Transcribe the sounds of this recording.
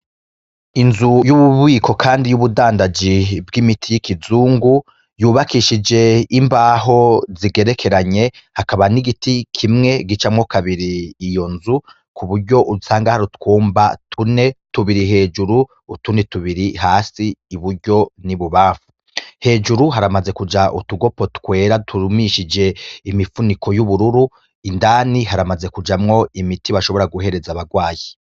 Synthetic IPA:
inzujuβuβwiːkʰo̞kʰaːndijuβudaːndad͡ʒibɡimitʰijikizuːŋɡu | juːβakiʃid͡ʒe̞imbaːɦo̞ziɡe̞ɾe̞kʰe̞ɾaɲe̞ | hakaβaniɡitikʰimŋe̞ɡit͡ʃamŋokaβiɾiːjo̞nzu | kʰuβuɾɟo̞ʔuusaːŋɡahaɾutkuːmbatʰune̞tuβiɾiɦe̞ːd͡ʒuɾuː | tunetuβiɾiɦaːsiːβuɾɟo̞niβuβaːfu̥ | he̞d͡ʒuɾuɦaɾamaze̞kud͡ʒaʔṵtuɡo̞po̞tkwe̞ːɾatʰuɾumiʃid͡ʒe̞imifunikʰo̞juβuɾuɾu | indaːniɦaɾamaze̞kud͡ʒamŋo̞imitiβaʃo̞βo̞ɾaɡuɦe̞ɾe̞zaβaɡwaːji

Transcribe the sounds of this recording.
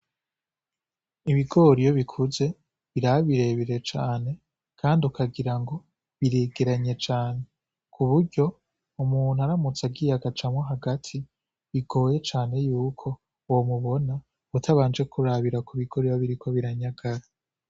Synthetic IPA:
iβiɡo̞ɾijoβikʰuze̞ | βiɾaβiɾe̞βiɾe̞t͡ʃaːne̞ | kʰaːndiukʰaɡiɾaŋɡo̞ | βiɾeɡeɾaɲe̞t͡ʃaːne̞ | kʰuβuɾɟo̞ | umuːn̥̤uaɾamut͡saɡijaɡat͡ʃamŋoɦaɡatʰi | βiɡo̞ːje̞t͡ʃaːne̞juːkʰo̞ | womuβo̞na | utʰaβaːnd͡ʒe̞kuɾaβiɾakʰuβiɡ̥o̞ɾijoβiɾikʰo̞βiɾaɲaɡ̥aɾa

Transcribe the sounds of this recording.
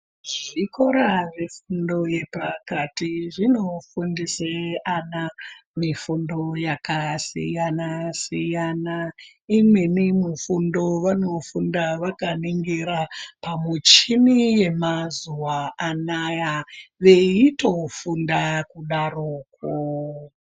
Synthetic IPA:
ʐiko̞ɾaʋefundo̞je̞pakatiʐino̞fundiseanamifundo̞jakasḭjanasijana | imwenimufundo̞ʋano̞fundaʋakaniŋɡiɾapamut͡ʃimije̞mazuwaːnajaʋe̞ito̞fundakuɗaroːko

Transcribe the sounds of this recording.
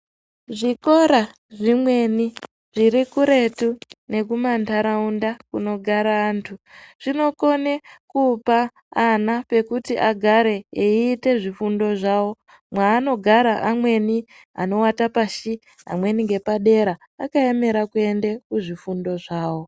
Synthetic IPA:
ʐiko̞ɾa | ʐimwe̞ni | ʐiɾikuɾe̞tune̞k̬umantaɾaundakuno̞ɡʱaɾaːntʰuʐ̥ino̞ko̞nekupaː | nape̞kutiʔaɡʱaɾe̞eiːte̞ʐifundo̞ʐawo̞ | mwaːno̞ɡʱaɾaʔamwe̞ni | a̰no̞watapaʃi | a̰mwe̞niŋɡe̞paɗe̞ɾaːkae̞me̞ɾakue̞nde̞kuʐifundo̞ʐaːwo̞

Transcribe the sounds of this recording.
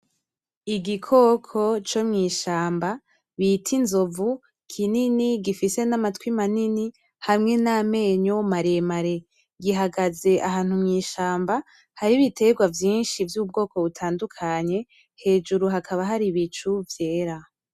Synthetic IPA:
iɡikʰo̞kʰo̞t͡ʃo̞mŋiːʃaːmba | βitʰinzo̞vu | kʰininiɡifise̞namatkwimanini | hamŋe̞name̞ːɲo̞maɾe̞maɾe̞ | ɡiɦaɡaze̞ʔaɦaːn̥humŋiːʃaːmba | haɾiβitʰe̞ɡwavjiːnʃivjuːb̚ɡo̞ːko̞βutʰaːndukʰaɲe̞ | he̞ːd͡ʒuɾuɦakʰaβaɦaɾiβit͡ʃuvje̞ːɾa

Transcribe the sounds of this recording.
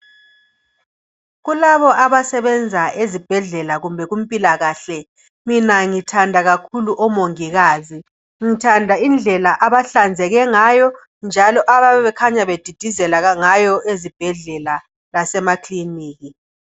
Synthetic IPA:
ɣulaβɔʔaβasɛβɛnd͡zʱaʔezib̥ʱɛɮɛlaɣumbʱɛɣum̩pʼilaɣaɬɛ | minaŋitʰandʱaɣakʰuluʔɔmoŋiɣaːzi | ŋitʰandʱaind͡ɮʱɛlaʔaβaɬand͡zʱɛɣɛŋajɔ | nd͡ʒʱalɔʔaβaβɛβɛkʰaɲaβed̥ʱid̥ʱizɛlaɣaŋajɔʔezib̥ʱɛɮɛla | lasɛmakʰliniːɣi

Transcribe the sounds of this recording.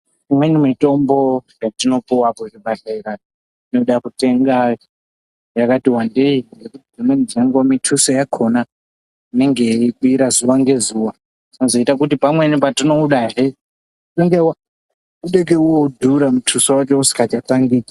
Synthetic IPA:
imwenimito̞mbojatino̞puwakoɾiɓaɬeɾa | tino̞ɗakute̞ŋɡa | jakatiwandeiŋɡe̞kutid͡zimwend͡zaŋɡwamitʰusojakʰo̞na | ine̞ŋɡeikuiɾazuwaŋɡe̞zuwa | tinozo̞itakutipamwe̞nipatino̞uɗaɦe | toŋɡewa | uɗek̬euodʱuɾamutʰusowat͡ʃousi̥kat͡ʃataŋɡi

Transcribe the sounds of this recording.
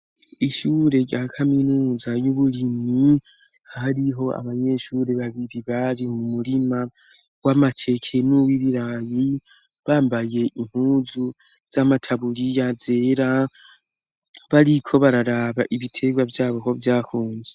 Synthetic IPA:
iʃuːɾe̞jakʰaminuːzajuβulimi | haɾiɦo̞a̰βaɲe̞ʃuːɾe̞βaβiɾiβaɾimuumuɾima | wamatʰe̞kʰe̞nuwiβiɾaji | βaːmbaje̞ʔim̥huːzu | z̥amatʰaβuɾijazeɾa | βaɾikʰo̞βaɾaɾaβaʔiβitʰe̞ɡwavjaːβo̞kovjaːkuːɲd͡ʒe

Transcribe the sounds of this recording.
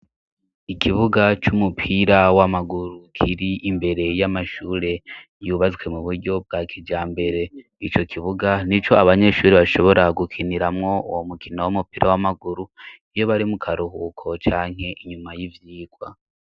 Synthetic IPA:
ikʰiβuɡat͡ʃumupʰiɾawamaɡuɾukʰiɾiʔimbe̞ɾe̞jamaʃuːɾe̞ | juβazwe̞muβuɾɟo̞b̚ɡakʰid͡ʒaːmbe̞ɾe̞ | it͡ʃo̞kʰiβuɡanit͡ʃo̞aβaɲe̞ʃuːɾiβaʃo̞βo̞ɾaɡukʰiniɾamŋo̞ṵwomukʰinowumupiːɾʔawamaɡuɾuijo̞βaɾimukʰaɾuɦukʰo̞t͡ʃaːŋ̥ɦe̞ʔiɲumajivjiːɡwa̰

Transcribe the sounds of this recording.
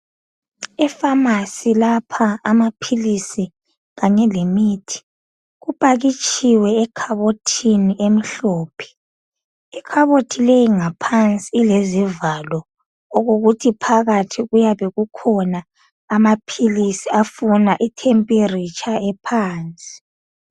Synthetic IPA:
ɛfamasilapʰaːmapʰilisi | ɣaɲɛlemitʰi̥ | ɣupʼaɣit͡ʃʼiwɛːkʰaβotʰiniʔem̩ɬɔːpʰɛ̥ | ɛkʰaβotʰilejiŋapʰant͡sʼiːlezivalɔː | ɣoɣutʰipʰaɣatʰiɣujaβeɣukʰɔnaː | mapʰilisiafunaʔitʰempʼirit͡ʃʼʰaɛpʰaːnt͡sʼi̥

